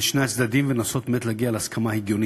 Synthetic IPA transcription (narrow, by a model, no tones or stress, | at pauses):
ʃnejat͡sd̪ad̪imvenaso̞t̪met̪laɡialehaskʰamaheɡjo̞ni